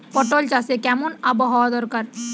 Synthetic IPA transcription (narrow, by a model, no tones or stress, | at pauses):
pɔʈoːlt͡ʃaːsekɛːmunabɐɦɔːd̪ɔɾkɐɾ